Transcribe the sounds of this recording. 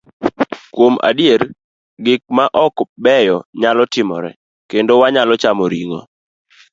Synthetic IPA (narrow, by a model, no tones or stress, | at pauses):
kwoma̰dɪeɾ | ɡɪk̚maʔɔkbɛjɔɲalɔtɪmɔ̰ɾɛ̰ | kendowaɲalɔt͡ʃamɔɾiŋo̰